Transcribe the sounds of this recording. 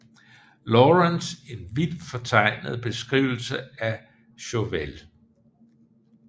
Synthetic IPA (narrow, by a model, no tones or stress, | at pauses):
lɔʁense̝nʋid̥fɒ̽t͡sʰɑ̈ɪ̰nəð̩ˠb̥e̝sɡ̥ʁiʊl̩səæ | ɕoʋel